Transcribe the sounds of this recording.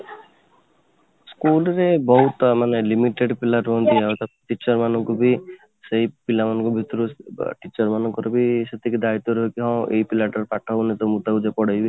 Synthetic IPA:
skulɾebɔɦut̪manelimiʈeɖpilaʈɦɔnt̪iawt̪ʰaʈit͡ʃɔɾmanɔŋkubi | seɦipilamanɔ̃ŋkɔbʱit̪ːɔɾuʈit͡ʃɔɾmanɔŋkɔɾɔbiset̪ʰikid̪ait̪ːɔɾɔɦekiɦɔ̃ʔḛipilaʈɔɾpaʈʰaunet̪ɔmut̪aud͡ʒapɔɽajbi

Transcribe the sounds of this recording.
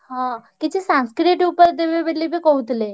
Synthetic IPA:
hãkit͡ɕesãskɾiʈupəɾd̪eʋebellːibʱikout̪le

